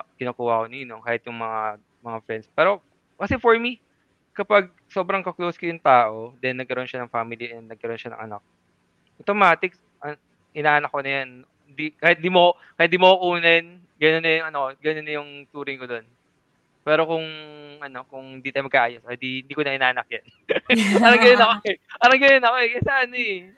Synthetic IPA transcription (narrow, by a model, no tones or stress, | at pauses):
kɪnakuːhɐko̞niːnokaːhɪt̪̚jʊŋmɐŋa | mɐŋafɹɛnd̪spɛːɾo̞ | kɐsɛfoɹmi | kɐpaɡ̚ | so̞ːbɾɐŋkɐklowskojʊŋt̪aːʔo̞d̪ɛnːɐɡ̚kɐɾo̞nʃanɐŋfaːmɪliʔɛnnɐɡ̚kɐɾo̞nʃɐnɐ̰ŋʔɐ̰na̰k̚ | ot̪omaːt̪ɪk | ʔɐ | ʔɪnaːʔɐnɐkːonɐjan | hɪnd̪ikaːhɪt̪̚ɪnd̪imoo | kɐjat̪d̪iːmokokuːnɐn | ɡɐnonːɐjʊŋʔɐnokoɡɐnonːɐjʊŋt̪uːɾɪŋkod̪o̞n | pɛːɾo̞kʊŋʔɐno̞kʊŋhɪnd̪it̪ɐjmɐɡkːaʔaːjosɪd̪iɪnd̪iːkonɐʔɪnaːʔɐnɐk̚jan | ɐɾɐŋɡɐnonɐkoɛʔɐɾɐŋɡɐnonɐkoɛkɐsaʔɐnoɛ